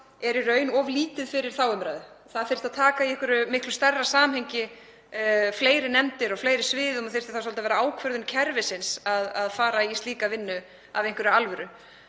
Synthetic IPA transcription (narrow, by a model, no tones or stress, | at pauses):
ɛɾɪɾœːɥnɔvliːt̪ɪðfɪɾɪɾ̥θawʏmɾaːjðʏ | θaðfɪɾ̥st̪aðt̪ʰaːkaiɛhkvʏɾʏmɪhklʏst̪ɛrːasaːmhejɲcɪ | fleːjɾɪnɛmt̪ɪɾɔfleːjɾɪsvɪːðɔmaθɪɾ̥st̪aθas̬ɔlt̪avɛːɾaaːwkʰvœɾðʏncʰɛɾvɪsɪnsaðaðfaːɾaist̪liːkavɪnːʏ | a̰vejŋkvɛɾʏalvʏɾʏ